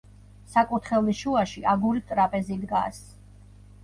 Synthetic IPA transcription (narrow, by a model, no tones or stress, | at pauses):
sakʼut̪ʰχɛliʃuaʃiʔaɡuɾit̪ʼɾapʼɛzid̪ɡa̰s